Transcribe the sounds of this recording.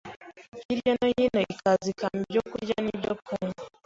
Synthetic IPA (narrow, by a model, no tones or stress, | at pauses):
iɾjanoninoikazikambjoːkuɾɾɟanidopʰuma